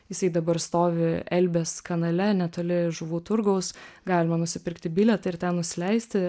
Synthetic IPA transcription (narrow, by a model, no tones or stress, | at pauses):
jɪsɐɪd̪ɐbɐɾst̪oːʋʲɪɛlʲbʲeːskɐnɐlʲɛnʲɛt̪oːlʲɪʒʊʋuːt̪ʊɾɡɐʊsɡɑːlʲɪmɐnʊsʲɪpʲɪɾkt̪ʲɪbʲilʲɛt̪ɐɪɾt̪ʲɛnnʊsʲɪlʲɛɪsʲt̪ʲɪ